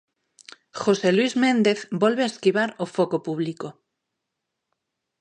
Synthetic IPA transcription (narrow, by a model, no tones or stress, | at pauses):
χoselwizmẽnd̪eθbolβeaeskiβ̞aɾofokopuβ̞liko